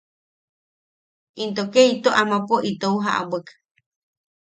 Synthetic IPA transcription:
int̪okeit̪oʔamãpoʔit̪ouɦaʔa̰bak

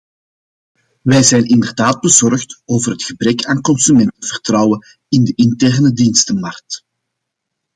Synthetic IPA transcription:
ʋɛjzɛjnɪndərdaːd̚bəzɔrxtoːvərɦətxəbrɛkaːnkɔnsymɛntənv̥ərtrɑwən | ɪndəʔɪntɛrnədinstəmɑrk̚t

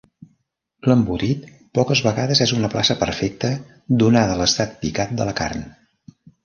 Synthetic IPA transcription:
ləmbuɾit̪̚ | pɔkəzβəɣaðəzɛzunəplasəpəɾfɛk̚t̪ə | d̪unaðələst̪at̪̚pikat̪̚d̪ələka̰rn

